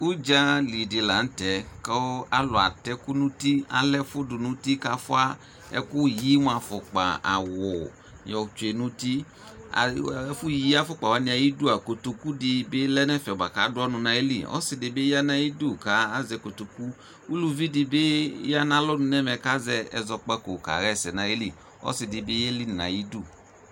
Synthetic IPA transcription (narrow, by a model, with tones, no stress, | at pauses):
u˦d͡ʒa˦li˨dɪ˨la˨n̩˦tɛ˨˦ka˦a˦lɔ˨a̰˨tɛ˨˦ku˦nũ˦ti˦a̰˨lɛ˦fʊ˦dʊ˨nũ˦ti˦ka˧fʊ˦a˦ | ɛ̰˦ku˦ji˨˦m˦a˨fɔ˨k͡pa̰˨a̰˨wɔ˨ | jɔ˨t͡ʃe˨nũ˦tḭ˦˨˦ | fʊ˦ji˦a˦fɔ˦k͡pa˨wa˨˦nĩ˧a˨ji˦du˦a˨ko˨to˧ku˦di˧bɪ˦lɛ˦nɛ˦fɛ˨ba˨ka˨˦dʊ˦ɔ˦nʊ˧na˧e˦li˨ɔ̰˦sɪ˨dɪ˨bɪ˦a˦na˦ji˦du˦˨ka˨˦a˦zɛ˧ko˨to˨ku˦ | u˦lu˦vi˦dɪ˧be˦ja˦na˦lɔ˦nʊ̃˧nɛ˦mɛ˧ka˦zɛ˧ɛ˨zɔ˧k͡pa˦ko˨ka̰˨ɣɛ˦˨sɛ˨nã˨˦e˦li˦˨ | ɔ̰˦sɪ˨dɪ˨bɪ˦e˦li˦n˨na̰˨ji˦du˦˨